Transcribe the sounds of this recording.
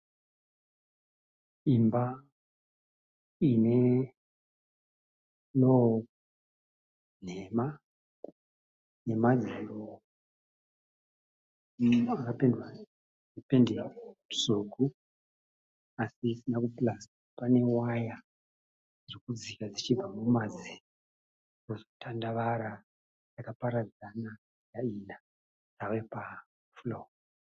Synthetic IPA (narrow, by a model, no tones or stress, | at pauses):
imba | ine̞ | lo | n̤ema | ne̞mad͡zulo | akapendwa | ipendesoku | asiːsinakuplasapane̞waja | ʐokud͡zikad͡zit͡ʃiamumad͡zi | rozotʰandaʋaɾa | jakapaɾad͡zana | jaina | jawepa | flo